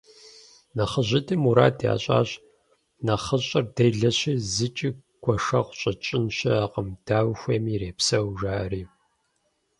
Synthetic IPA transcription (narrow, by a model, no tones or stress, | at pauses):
nɐχəʑɪdʰɨmuɾa̰ːdja̰ːɕʼa̰ːɕ | nɐχəɕʼɐrdɐjɮɐɕiːzɨt͡ʃʼiː | ɡʷʰɔʂɐχʷɕʼɐt͡ʃʼɪnɕɐaqəmd̥aːwxʷɐːmiːɾeːpsɐwʒaːriː